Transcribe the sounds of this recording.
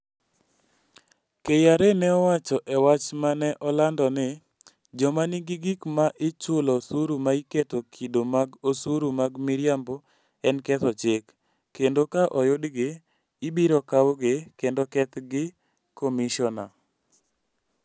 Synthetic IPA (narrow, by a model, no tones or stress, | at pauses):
kejaɾenɛɔwat͡ʃɔʔɛwat͡ʃmanɛʔɔlandɔnɪ | d͡ʒɔmanɪɡɪɡikmaʔɪt͡ʃʊlɔsuɾumaiketokʰidomaɡosuɾumaɡmɪɾjambɔ | ɛnkɛt̪ɔt͡ʃekː | endokaʔɔjʊdɡɪː | biɾɔkawoɡekendokɛt̪ɡɪ | komiʃɔna̰